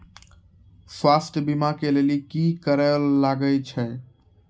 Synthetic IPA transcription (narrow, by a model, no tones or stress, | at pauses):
sasʈbimakelelikikəɾəlːaɡət͡ʃʰə